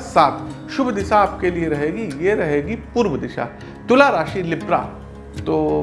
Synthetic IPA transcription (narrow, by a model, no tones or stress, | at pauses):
saːt̪ʰ | ʃʊbd̪ɪʃaːpkelieɾɐɦeːɡijeɾɐɦeːɡipuːɾʋəd̪ɪʃa̰ | t̪ʊlaɾaːʃilɪpɾa̰ | t̪oː